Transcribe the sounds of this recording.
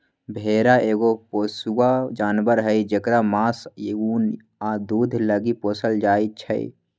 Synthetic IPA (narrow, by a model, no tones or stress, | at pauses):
bʱeːɾaʔeːɡopoːsuwad͡ʒaːnbəɾɦəid͡ʒəkɾamaːsun | ad̪uːd̪ʱləɡipoːsəld͡ʒaːit͡ʃʰə̰ḭ